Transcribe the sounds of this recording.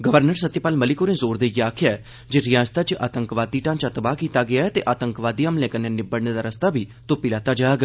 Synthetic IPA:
ɡəʋəɾnəɾsət̪ːjəpaːlməlɪkoːnẽːzoːɾd̪eːɡeaːkʰɪjaɛ | d͡ʒeɾɪjãːst̪aːt͡ʃəʔa̰ːt̪ə̃ŋkʋaːd̪iːʈãːnt͡ʃət̪baːkiːt̪aɡɪjaːɛt̪eʔaːt̪ə̃ŋkʋaːd̪iamlẽːkənẽnɪbəɽneːd̪aːɾəst̪aːbʱiːt̪opɪlaːt̪aːd͡ʒaːɡ

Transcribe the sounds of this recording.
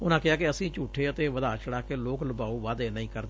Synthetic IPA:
ʊnãːkɪaːkɪəsĩːt͡ʃuːʈʰːeːət̪eːʋəd̪aːt͡ʃəɽaːkeːloːkləbaːuːʋaːd̪eːnəĩːkəɾd̪eː

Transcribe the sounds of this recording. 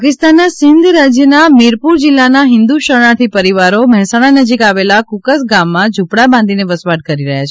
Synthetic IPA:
pakɪst̪anːasɪnd̪ʱɾad͡ʒjənamɪɾpuɾd͡ʒɪlːanaɦɪ̃nd̪uʃəɾɳ̃at̪ʰipəɾiʋaɾoməɦɛsaɽ̃anəd͡ʒikaʋelakukəsɡamːãd͡ʒʱupɽabãnd̪ʱineʋəsʋaɽ̚kəɾiɾəɦjat͡ʃʰ

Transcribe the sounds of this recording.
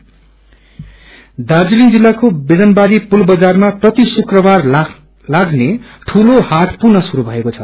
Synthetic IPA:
d̪ad͡zilind͡zilːakobed͡zʌnbaɾipulbʌd͡zarmaprʌt̪isukrʌbar | laɡneʈʰulohaʈpurnʌsuɾubʱʌekot͡sʰʌ

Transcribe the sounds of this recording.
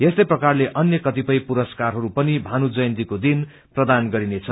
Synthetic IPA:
est̪ʌjprʌkarleʔʌnjʌkʌt̪ipʌjpuɾʌskarɦʌɾupʌnibʱanud͡zʌjnt̪ikod̪in | prʌd̪anɡʌɾinet͡sʰʌ

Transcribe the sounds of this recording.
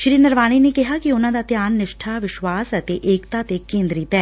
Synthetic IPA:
ʃɾiːnɐɾʋaːninekɪɦakiʊn̤ãd̪at̪jaːnːɪʃʈʰaʋɪʃʋaːsɛt̪eʔeːkt̪at̪ekːẽːnd̪ɾit̪ɛː

